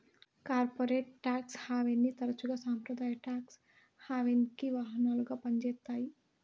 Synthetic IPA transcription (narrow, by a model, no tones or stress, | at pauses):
kaːɾpoɾeːʈːaːkshaːʋenːit̪ɐɾt͡ʃuɡɐsaːmpɾɐd̪aːjʈaːks | haːʋenkiʋaːɦɐnaːlɡɐpɐnd͡ʒeːt̪ːaːi